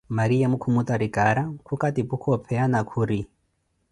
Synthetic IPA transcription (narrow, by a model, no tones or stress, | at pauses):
maɾijamukʰumut̪ʼaɾikʼaɾakʰukʼatipukʰɔpʰɛanakʰuɾi